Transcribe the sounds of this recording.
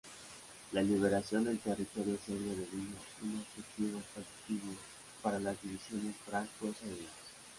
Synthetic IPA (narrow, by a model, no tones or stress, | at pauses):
laliβ̞eɾasjo̞nd̪e̞lt̪erit̪o̞ɾjoseɾjoðeβino | unoset̪iβospasi̥t̪iβjo | paɾalazðiβisjo̞nesfɾaŋkosaejas